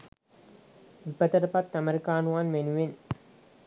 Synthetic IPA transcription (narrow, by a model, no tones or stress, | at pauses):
ʋipɐt̪ɐɾɐpɐt̪ːɐmeɾikaːnuʋanmenuʋen